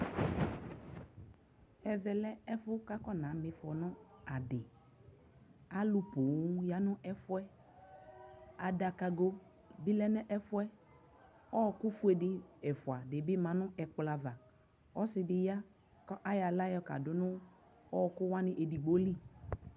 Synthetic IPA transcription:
ɛ˨vɛ˨lɛ˦ɛ˦fʊ˦ka˦kɔ˦nã˨˦mɪ˨fɔ˨nʊ˦a˨dɪ˨ | a˦lʊ˦pʊ˨˦ja˨˦nʊ̃˦ʔɛ˦fʊ˦ɛ˦ | a˨da˨ka˧ɡo˦ | bi˦lɛ˦nɛ˦ʔɛ˦fʊ˦ɛ˦ | ɔ˦˨kʊ˦fʊ˦ɛ˨dɪ˦ɛ˨fʊ˨a˨dɪ˨bɪ˦mã˨nʊ̃˦ʔɛ˨k͡pla˨va˨ | ɔ˦sɪ˨dɪ˨ja˦ | kɔ˦ʔa˦ja˨la˦jɔ˨˦ka̰˨dʊ˨nʊ̃˦ | ɔ˦˨kʊ˦wa˦nɪ˦ʔe˨di˨ɡ͡bo˦li˦

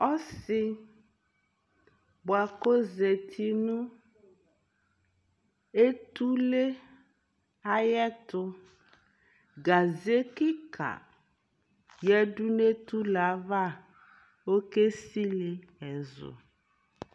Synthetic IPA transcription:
ɔ˦si˦ | bo˨a˨ko˦ze˨t̪ʰi˨nũ˦ | e˦t̪u˦le˦ | a˦jɛ˦t̪ʊ˦ | ɡa˨ze˦ki˦ka̰˨ | jɛ˦ɖu˦ne˦t̪u˦la˨˦va˦˨ | wo˦ke˦si˦le˨ɛ˨zo̰˨

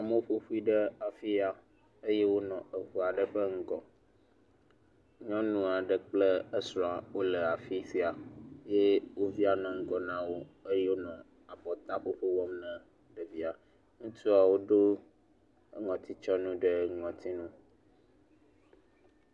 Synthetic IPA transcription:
a˨mə˦o˦ɸo˦ɸu˦i˦ɖə˦a˨fi˦a˨ | ə˦je˦wo˦nɔ̃˨ə˨ɸu˨a˨ɖə˦ɸə˦ŋ̩˦ɡɔ˨ | ɲɔ̃˦nũ˦a˨ɖə˦k͡plə˦ə˦sɾɔ̃˨a˨wo˦lə˨a˨fi˦si˦a˨je˦wo˦vi˦a˨nɔ̃˨ŋ̩˦ɡɔ˨nã˦wo˦ə˦jɛ˦wo˦nɔ̃˨ | a˨bɔ˨t̪a˦ɸo˦ɸe˦wɔ˦mnɛ̃˦ | ɖə˨vi˦a˨ | ŋũ˦t̪u˦a˨wo˦ɖo˦ | ŋɔ̃˨t̪ʰi˦t͡ʃɔ˦nũ˦ɖə˦ŋɔ̃˨t̪ʰi˦nũ˦

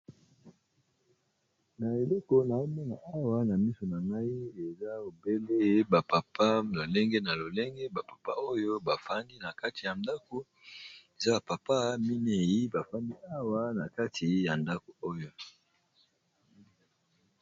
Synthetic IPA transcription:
na˨e˨le˦ko˨na˨o˦mɛ˦na˨a˦wa˦na˨mi˦so˨na˨ŋɡa˦i˦e˨za˦o˨be˦le˦ba˨pa˨pa˦lo˨le˦ŋɡe˦na˨lo˨le˦ŋɡe˦ba˨pḁ˨pa̰˦o˦jo˦ba˨fa˦ndi˦na˨ka˦ti˨ja˨nda˦ko˦ | e˨za˦ba˨pa˨pa˦mi˦ne˨ji˦ba˨fa˦ndi˦a˦wa˦na˨ka˦tʰi˨ja˨nda˦ko˨o˦jo˦

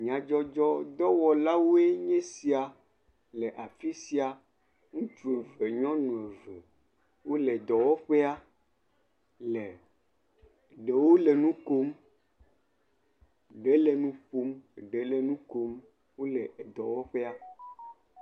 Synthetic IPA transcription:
mĩ˨a˨d͡ʒɔ˦d͡ʒɔ˦d̪ɔ˦wɔ˨la˦wo˦e˦ɲẽ˦si˦a˨ | le˨ʔa˨fi˦si˦a˨ | ŋũ˦t͡ʃu˨e˨ve˨ɲɔ̃˦nũ˨e˨ve˨ | wo˦le˨d̪ɔ˨wɔ˦ɸe˦a˦ | le˨ | ɖe˨wo˦le˨nũ˦ko˦m | ɖe˦le˨nũ˦ɸu˦m˨ɖe˨˦le˦nũ˦ko˦m | wo˦le˨ʔd̪ɔ˨wɔ˦ɸe˦a˦

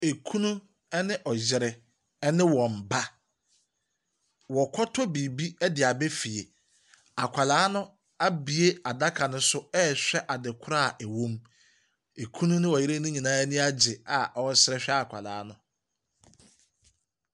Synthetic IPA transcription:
e˨kʰũ˦nũ˦ | ɛ˦nɪ̃˦ʔɔ˨d͡ʑɪ˨ɾɪ˨˦ | nɪ̃˦wɔ̃˨m̩˨ba˦ | wɔ˨kʰɔ˦tʰɔ˦bi˨bi˦ɛ˦dɪ˨a˨be˦fi˨e˨ | a˨kʷʰa˨laː˨˦nʊ̃˦ | a˦bi˨e˦a˨da˦kʰa˨nʊ̃˦sʊ˦ɛ˦ɕᶣɛ˦ʔa˨dɪ˨kʰʊ˦ɾa˦˨ʔɛ˨wõ˦m | e˨kʰũ˦nũ˦nɪ̃˦wɔ˨jɪ˦ɾe˦nũ˦ɲĩ˨nãː˦ɛ˦nʊ̃˦a˦d͡ʑɪ˨a˨ʔɔ˦sɪ˦ɾɛ˦ɕᶣɛ˦a˨kʷʰa̰˨la̰ː˨˦nʊ̃˦

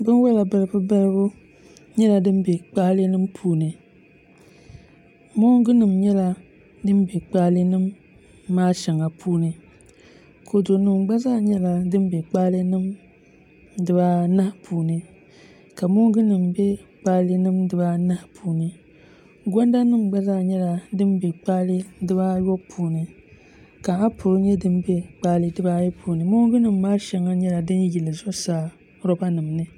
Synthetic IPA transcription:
bɨ˦n˦wɛ˦la˨ba˦lɨ˦bɨ˦ba˦lɨ˦bʊ˦ | ɲɛ˦la˨dɨ˦m˦be˨k͡paː˦lɨ˦nɨ˦mpʰuː˦nɨ˨ | mɔ˦ɡɨ˦nɨ˨mɲɛ˦la˨ | dɨ˦m˦be˨k͡paː˦lɨ˦nɨ˦mː | aː˦ʃɛ˨ŋa˨pʰuː˦nɨ˨ | kʰo˨do˨nɨ˨mɡ͡ba˦zaː˦ɲɛ˦la˨dɨ˦m˦bɛ˨k͡paː˦lɨ˦nɨ˦m | dɨ˨ba˦na˦hpʰuː˨nɨ˨ | ka˨mo˦ɡɨ˦nɨ˨mbɛ˦k͡pa˦lɨ˦nɨ˦mdɨ˨ba˦na˦hpʰuː˨nɨ˨ | ɡʷa˦nda˦nɨ˦mɡ͡ba˦zaː˦˨ɲɛ˦la˨dɨ˦m˦bɛ˨k͡pa˦lɨ˦dɨ˦ba˦jɔ˦pʰuː˨nɨ˨ | ka˨a˦pʰʊ˨ɾɲɛ˦dɨ˦nbɛ˦k͡paː˦lɨ˦dɨ˦ba˦jɛ˦pʰuː˨nɨ˨mo˦ɡɨ˦nɨ˨mː˦aː˦ʃɛ˨ŋa˦ɲɛ˦la˨dɨ˦nji˨lɨ˨zɔ˦saː˨˦ | ɾɔ˦ba˦nɨ˨mnɨ˦

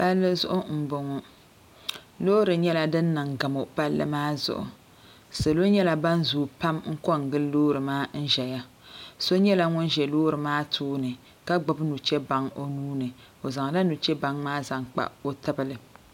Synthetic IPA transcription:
pa˦lːɨ˦zʊ˦ʔʊ˦m̩˨bʊ˨ŋɔ˨ | loː˦ɾɨ˨ɲɛ˦la˦dɨ˦nː˦ɨ˨ŋɡa˨mo˨pa˦lːɨ̰˦maː˦zʊ̰˨ʔʊ̰˨ | so˨lo˦ɲɛ˦la˨ba˦nzuː˨pa˦mŋ̩˦kɔ˦ŋ̩˨ɡɨ˦lːoː˦ɾɨ˨maː˦n̩˦ʒɛ˨ja˦ | so˦ɲɛ˦la˨ŋʊ˦nʒɛ˨loː˦ɾɨ˨maː˦tʰuː˦nɨ˨ | ka˦ɡ͡bɨ˨bnu˨t͡ʃɛ˦ba˨ŋo˦nuː˦nɨ˨ | o˨za˨ŋ˨la˦nu˨t͡ʃɛ˦ba˨ŋmaː˦za˨ŋk͡pa̰˨o˦tɨ˦bɨ˦lɨ˨

